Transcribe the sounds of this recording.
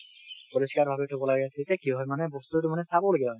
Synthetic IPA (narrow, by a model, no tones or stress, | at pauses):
poɹiskaɹbʱabetʰɔbɔlaɡɛasʰetɛkiɦɔjmanɛbɔst̪ueʈumanɛsabɔleɡibaɦɔ